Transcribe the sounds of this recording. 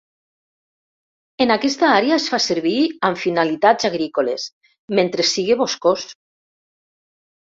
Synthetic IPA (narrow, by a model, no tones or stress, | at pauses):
enakɛst̪aaɾeaesfaseɾβiaɱfinalit̪azaɣɾikoles | ment̪ɾesːiɣeβoskos